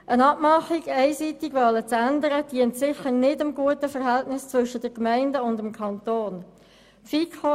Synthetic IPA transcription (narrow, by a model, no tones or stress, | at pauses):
ʔənɑp̚mɑχiɡɛɪsitɪɡʋɑlət͡sændəɾəd̥iəntsɪçəʁnɪdəmɡuətəfəʁɦɛltnɪst͡svʏʃəd̥əʁkmɛɪndəʊndəmkʰɑntoːn | fiko